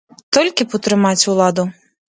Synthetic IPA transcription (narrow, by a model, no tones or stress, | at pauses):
t̪ɔlʲkʲipɔt̪ɾɨmat͡sʲulˠad̪u